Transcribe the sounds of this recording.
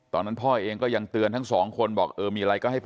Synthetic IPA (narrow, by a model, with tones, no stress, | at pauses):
t̪ɔː˧nːa˦˥npʰɔː˥˩ʔeː˧ŋkɔː˥˩ja˧ŋt̪ɯ˧ənt̪ʰa˦˥ŋsɔː˩˦ŋkʰo˧nbɔː˨˩k̚ʔɤː˧miː˧ɾa˧jkɔ˥˩ha˥˩jp